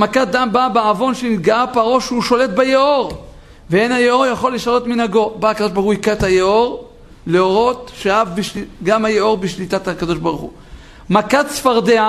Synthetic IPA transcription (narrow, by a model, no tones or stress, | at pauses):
makat̪̚d̪ambabeavo̞nʃeniɡaapaʁo̞ʃuʃo̞let̪̚bejeo̞ʁ | veenhajeo̞ʁjaχo̞liʃalo̞t̪minaɡo̞bahakado̞ʃbeχuikat̪hajeoʁ | leo̞ʁo̞t̪ʃeavbiʃiɡamhajeo̞ʁbiʃlit̪athakad̪o̞ʃbaʁχṵ | makat̪sfaʁd̪ea